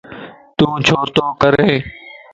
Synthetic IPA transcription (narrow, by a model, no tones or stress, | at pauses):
t̪ũːt͡ʃʰoːɾt̪oːkəɾeː